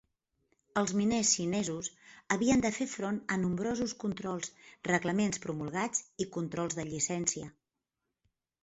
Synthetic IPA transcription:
əlˠzminesʃinɛzusəβiənd̪əfefɾonənumbɾozuskunt̪ɾɔlˠsrəɣləmenspɾumulˠɣad͡zikunt̪ɾɔlˠzðəʎisɛnsiə

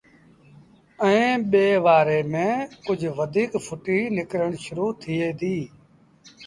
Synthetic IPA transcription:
əẽːɓeːʋaːɾeːmẽːkʊd͡ʒʱʋəd̪ʱiːkpʰʊʈiːnɪkɾəɳ̃ʃʊɾuːt̪ʰɪːeːd̪iː

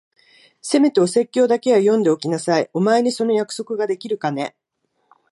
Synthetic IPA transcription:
se̞me̞t̪e̞o̞se̞kʲːo̞ːd̪ake̞βajõ̞nd̪e̞o̞kʲinasaio̞mae̞ɲ̟iso̞no̞jakɯ̟̥so̞kɯ̟ɡad̪e̞kʲiɾɯ̟kane̞

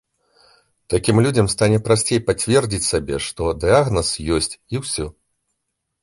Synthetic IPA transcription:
t̪akʲimlʲud͡zʲɐmst̪anʲɛpɾasʲt͡sʲejpat͡sʲvʲɛrd͡zʲit͡sʲsʲabʲɛ̰ʂt̪ɔd̪ɨaɣnɐsjɔsʲt͡sʲiwsʲɔ

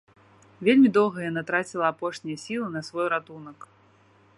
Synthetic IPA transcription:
vʲelʲmʲid̪ɔlˠɣɐjanat̪ɾat͡sʲilˠɐapɔʂnʲijɐsʲilˠɨnɐsvɔjɾat̪unɐk

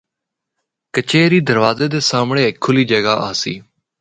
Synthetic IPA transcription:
kət͡ʃeːɾiːd̪əɾʋaːzeːd̪eːsaːmɳẽːɪkʰːʊliːd͡ʒəɡaːʔaːsḭː

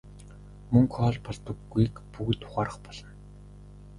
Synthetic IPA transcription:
mɵŋkχɔːɮpɔɮt̪ə̆kɡujkpukt̪ʰʊ̥χaːɾə̆χpɔɮ̥ɞ̆n

